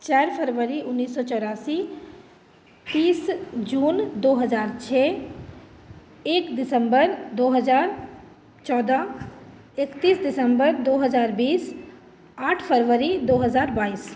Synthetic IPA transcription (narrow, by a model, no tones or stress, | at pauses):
t͡ʃaɾpʰəɾʋəɾiʊnːiːsːɔt͡ʃɔːɾaːsi | t̪iːsd͡ʒuːnd̪oɦəd͡ʒaːɾt͡ʃʰɛ | eːkd̪ɪsə̃mbəɾd̪oːɦəd͡ʒaːɾ | t͡ʃɔːd̪a | ekt̪iːsdɪsəmbəɾd̪oːɦəd͡ʒaːɾbiːs | aːʈʰpʰəɾʋəɾid̪oɦəzaːɾbaːis